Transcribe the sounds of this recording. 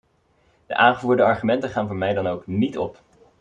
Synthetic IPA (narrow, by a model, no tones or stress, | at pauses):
d̥əʔaːŋχəvuːɹdəɑɹχymɛntəχaːnvʊːɹmɛjdɑnowknitɔ̰p